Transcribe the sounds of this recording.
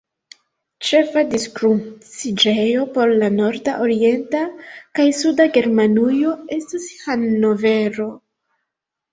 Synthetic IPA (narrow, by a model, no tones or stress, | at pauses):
t͡ʃe̞fadiskɾusid͡ʒejo̞po̞ɾlano̞ɾdaʔoɾie̞ntakajsudaɡe̞ɾmanujo̞e̞stishanːo̞ve̞ɾo̞